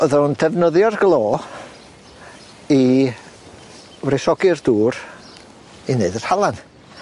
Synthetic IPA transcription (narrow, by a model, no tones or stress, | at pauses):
əðɛndɛvnəðjɔrɡlˠoː | i | wɾɪsɔɡɪrd̥uːɾ | ineɨdər̥halˠan